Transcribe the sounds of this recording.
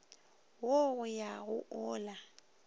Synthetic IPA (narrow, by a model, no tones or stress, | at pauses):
woɣʊjaɣʊʔɔːla